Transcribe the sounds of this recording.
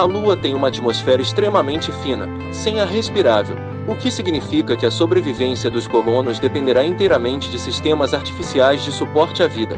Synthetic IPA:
ɐluɐt̪ẽj̃ũmɐat͡ʃimosfɛɾɐɪst̪ɾemɐmẽnt͡ʃɪfĩnɐ̰ | sẽj̃ɐɦespiɾavḛw | ʊkɪsiɡnifikɐkɪɐsobɾevivẽsiɐd̪ʊskolõnʊzd̪epẽnd̪eɾaĩnt̪ejɾɐmẽnt͡ʃɪd͡ʒɪsist̪ẽmɐzaɾt͡ʃi̥fisiajzd͡ʒɪsupɔɾt͡ʃɪavid̪ɐ̰

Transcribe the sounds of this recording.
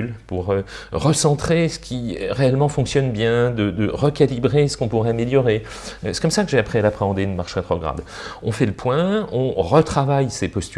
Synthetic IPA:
lpuʁøʁəsɑ̃t̪χesə̥kʲʰiʁeɛlmɑ̃fɔ̃ksjɔnbjɛ̃d̪əd̪əʁəkalibʁesə̥kɔ̃puʁɛameljɔʁe | øsɛ̥kɔmsakəʒeapχialapχeɑ̃d̪eynmaʁʃʁet̪χɔɡʁa̰d̪ | ɔ̃fɛləpwɛ̃ɔ̃ʁət̪χavajsepɔst̪y

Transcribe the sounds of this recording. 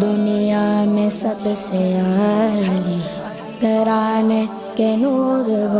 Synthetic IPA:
d̪ʊnijaːmẽsɐbseaːli | k̪ɐɾaːne | kenuːɾəɦ

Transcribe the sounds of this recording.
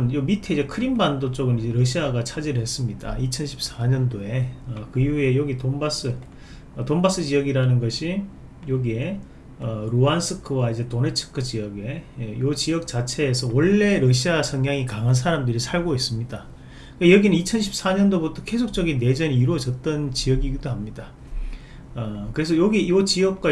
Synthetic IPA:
njomitʰeid͡ʑe̞kʰɯɾimbandot͡ɕ͈oɡɯnid͡ʑe̞ɾʌɕʰiaɡat͡ɕʰad͡ʑiɾɯɭhe̞s͈ɯmɲida̰it͡ɕʰʌnɕʰi̥p̚s͈aɲʌndoe̞ʌkɯjue̞jʌɡitombas͈ɯ | tombas͈ɯd͡ʑijʌɡiɾanɯnɡʌɕʰi | joɡie̞ | ʌɾoansʰɯkʰɯwaid͡ʑe̞tone̞t͡ɕʰɯ̥kʰɯt͡ɕiʌɡe̞jot͡ɕijʌk̚t͡ɕat͡ɕʰe̞ːsʰʌwʌɭːe̞ɾʌɕʰiasʰʌŋjaŋikaŋɦans̬ʰaɾamdɯɾisʰaɭɡois͈ɯmɲida | kajʌɡinɯnit͡ɕʰʌnɕʰi̥p̚s͈aɲʌndobutʰʌke̞sʰok̚t͡ɕ͈ʌɡinːe̞d͡ʑʌniiɾuʌd͡ʑʌt̚t͈ʌnt͡ɕijʌɡiɡidoɦamɲida | ʌkɯɾe̞s̬ʰʌjoɡijot͡ɕijʌk̚k͈wa

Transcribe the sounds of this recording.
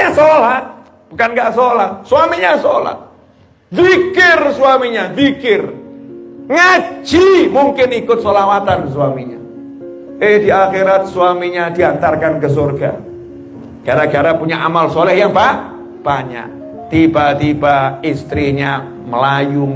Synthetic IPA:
asola | b̥ukanɡaʔsolahsuamiɲasola̰ | fikɪrsuwamiɲafikɪr | ŋad͡ʒimuŋkɪnikʊt̪̚solawat̪ansuamiɲa̰ | ehdiaxeɾat̪̚suamiɲadiant̪arkankəsorɡa̰ | ɡ̥aɾaɡaɾapuɲaʔamalsolɛhjaŋbah | b̥aɲa̰ʔ | t̪ibat̪ibaist̪ɾiɲa | məlajʊŋ

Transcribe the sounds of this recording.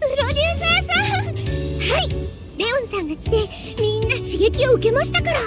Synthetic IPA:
pɯɾo̞d̪ʲɨːseːsa | hai | ɾeõɰ̃sãŋat̪ːe̞ | mʲĩnːaɕiɡe̞kʲio̞ɯ̟ke̞maɕi̥t̪akaɾa

